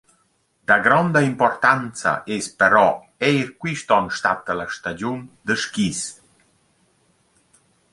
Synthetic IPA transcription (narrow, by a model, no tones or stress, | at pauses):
d̪̥aɡɾɔnd̪aimpɔrt̪ant͡sa̰ʔespəɾɔ | ɛjɾkwiʃt̪ɔnʃt̪at̪əlaʃt̪ad͡ʑund̪əʃkis